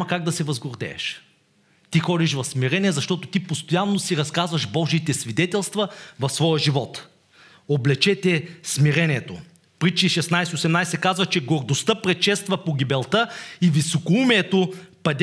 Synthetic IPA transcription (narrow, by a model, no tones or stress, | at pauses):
ɐkaɡ̚d̪ɐsɛvɐzɡoɾd̪ɛ̰ːʃ | t̪ixɔd̪iʃvɐfsmiɾɛnʲiɛzɐʃt̪ɔt̪ot̪ipost̪ojanːosiɾɐskazvɐʃbɔʒiːt̪ɛsvid̪ɛt̪ɛlˠst̪vɐvɐfsvɔjəʒivɔt̪ | oblɛt͡ʃɛt̪ɛsmiɾɛniɛt̪o̰ | pɾit͡ʃiʃɛsnajsɛosɛmnajsɛkazvɐt͡ʃɛɡoɾd̪ost̪əpɾɛtʃɛst̪vɐpoɡʲibɛlˠt̪əivisokoumɛːt̪opɐd̪ʲ